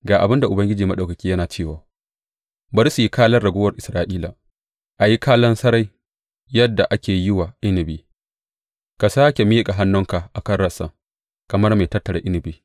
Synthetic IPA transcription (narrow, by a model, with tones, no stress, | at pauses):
ɡaː˨ʔa˨bɪ˦nda˨ʔʊ˨bɐ˦ŋɡʲɪ˦d͡ʒiː˨mɐ˦ɗɐ˨kɐ˨kʲiː˦jɐ˦naː˨t͡ʃeː˦˨waː˨ | bɐ˦ɾsu˨ji˦kaː˦lɐ˦rːɐ˨ɡʷʊː˦wɐ˦rʔɪ˨sɾaː˨ʔiː˦la˨ | ʔa˨ji˦kʰaː˦lɐ˦nsɐ˦ɾa˦j | jɐ˦dːa˨ʔa˦kʲeː˨jɪ˦waː˨ʔɪ˦nɪ˨biː˨ | ka˨saː˦kʲe˨mi˦kʼa˨ɦa˦nːʊ˦ŋka˨ʔa˨kɐ˦rːɐ˦sa˨ | kɐ˨mɐ˦rme˨tɐ˦tːɐ˨ɽḛ˦ʔɪ˦nɪ˨bi˦